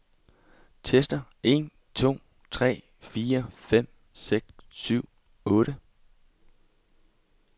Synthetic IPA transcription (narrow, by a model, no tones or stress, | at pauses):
t͡sʰesd̥ɐ | e̝̰ːn | t͡sʰo̝̰ː | t͡sʰʁɛ̰ː | fiːɐfem̰ | seɡ̥ssyʊ̰ | ɔ̽ːɾə